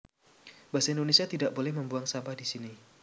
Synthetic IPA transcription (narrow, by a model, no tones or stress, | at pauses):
b̥asaindonesiat̪idaʔbolɛhməmbuaŋsampadisini